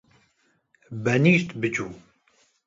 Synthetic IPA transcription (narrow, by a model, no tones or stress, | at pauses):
bɛniːʃt̪bɨt͡ʃuː